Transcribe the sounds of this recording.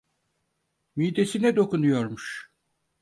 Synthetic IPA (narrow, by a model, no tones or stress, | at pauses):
miːd̪esinɛd̪o̞kunujoɾmuʃ